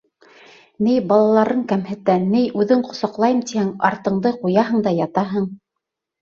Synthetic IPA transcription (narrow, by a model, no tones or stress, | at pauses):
nɘjbɑlˠɑlˠɑɾɤɴkæmhɘ̆t̪ænɘjʉðɘɴqŏsɑqlˠɑjɤmt̪ihæŋɑ̰ɾt̪ɤ̆ɴd̪ɤqujɑɦɤ̆ɴd̪ɑjɑt̪ɑɦɤɴ